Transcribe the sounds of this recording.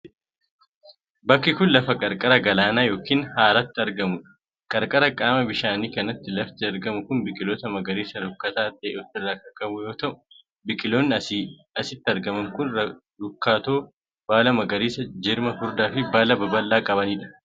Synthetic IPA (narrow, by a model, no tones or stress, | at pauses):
bɐkːɪkʊnlɐfɐkʼɐɾkʼɐɾɐɡɐlaːnaːjo̞ːkiːnhaːɾɐt̪ːɪɐɾɡɐmʊᶑɐ̥ | kʼɐɾkʼɐɾɐkʼaːmɐbɪʃaːniːkɐnɐt̪ːɪlɐft̪ɪɐɾɡɐmʊkʊnbɪkʼɪloːt̪ɐmɐɡɐɾiːsɐdʊkːɐt̪aːt̪ʼeːʔɔt̪ːɪrːaːkɐkʼɐbʊjo̞ːt̪ɐʔʊ̥ | bɪkʼɪloːnːɪ | ɐsɪt̪ːɪɐɾɡɐmɐŋkʊnɐ | ɾʊkːaːt̪oː | b̥aːlɐmɐɡɐɾiːsɐd͡ʒɪɾmɐhʊɾd̪aːfɪbaːlɐbɐbɐlːaːkʼɐβɐniːᶑɐ̥